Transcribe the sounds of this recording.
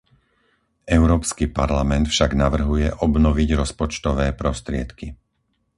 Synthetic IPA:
ʔɛʊɾɔːpskipaɾlamɛnt̪fʃaɡnaʋr̩ɦujɛʔɔbnɔʋiɟɾɔspɔt͡ʃt̪ɔʋɛːpɾɔst̪ɾɪɛt̪ki

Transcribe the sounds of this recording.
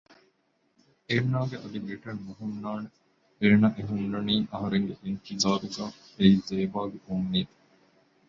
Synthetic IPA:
eːnaːɡeʔɐd̪ibiʈɐnmuɦumnaːne | eːnaʔeɦunːɐniːʔɐɦɐɾeŋɡeʔint̪izaːɾuɡaː | eizeːbaːɡeunːiːt̪

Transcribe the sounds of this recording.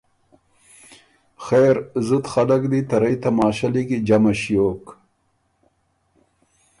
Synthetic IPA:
xeːɾzut̪xalakd̪it̪ɐɾajt̪amɑːɕaliɡid͡ʒamaɕijoːk

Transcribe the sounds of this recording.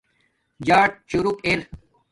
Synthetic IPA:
d͡ʑaːʈ̚t͡ɕuɾukeɾ

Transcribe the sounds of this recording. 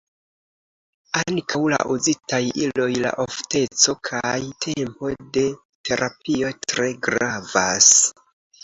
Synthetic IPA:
aŋkawla̰ʔuzitajilo̞jla̰ʔofte̞t͡so̞kʰajtʰe̞mpo̞de̞ | tʰe̞ɾʔapio̞tɾe̞ɡɾavas

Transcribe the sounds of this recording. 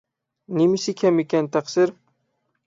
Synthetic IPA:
nɪmɪsɪkʲʰamekʲʰant̪ʰaqsɪɾ

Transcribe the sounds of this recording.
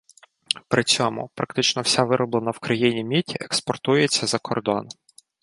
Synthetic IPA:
pɾʔɪt͡sʲɔmʊ̰pɾɐkt̪ɪt͡ʃnɔwsʲaʋɪɾɔblˠenɐwkɾɐjinʲimʲitʲiekspɔrt̪ujet͡sʲːɐzɐkʰɔrd̪ɔn

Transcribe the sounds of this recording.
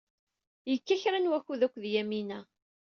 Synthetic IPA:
jəkːæçɾænwæçuðækʷːðjæminæ

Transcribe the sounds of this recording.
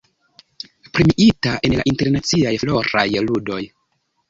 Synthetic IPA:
pɾimiʔitaʔe̞nla̰ʔinte̞ɾnat͡siajflo̞ɾajludo̞j

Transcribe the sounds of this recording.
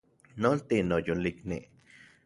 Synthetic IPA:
nolt̪inojoliknḭ

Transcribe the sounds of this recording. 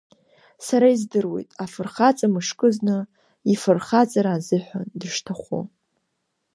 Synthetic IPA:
saɾaizdɨrwe̞̰jtʼafɨrχat͡sʼamɨʂkʼɨznɨ | ifɨrχat͡sʼaɾaːzɨħʷᶣa̰ndɨʂtʰaχʷo̰

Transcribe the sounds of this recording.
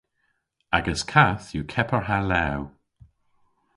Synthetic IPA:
aɡəskʰaθjukʰɛpəɹɦalaw

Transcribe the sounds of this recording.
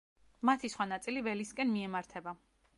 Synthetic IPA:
mat̪ʰisχwanat̪sʼilivɛliskʼɛnmiɛmaɾt̪ʰɛba

